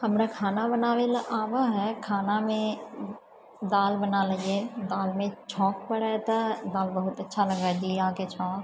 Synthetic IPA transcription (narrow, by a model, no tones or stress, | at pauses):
hɐmɾəkʰaːnabɐnaːʋelʔaːʋaɦɛkʰaːnamẽ | d̪aːlbɐnaːlɐieːd̪aːlmẽt͡ʃʰɔ̃ːkpɐɽat̪ɐd̪aːlbɐɦʊt̪ɐtːʃʰalɐɡaːd͡ʒiaːket͡ʃʰaː